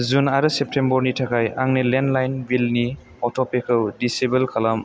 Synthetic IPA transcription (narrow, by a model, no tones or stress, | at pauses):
zunaɾɯsep̚tʰembɔɾnitʰakʰajaŋnilendlajnbilni | ɔtʰɔpʰekʰɯwdisibelkʰalam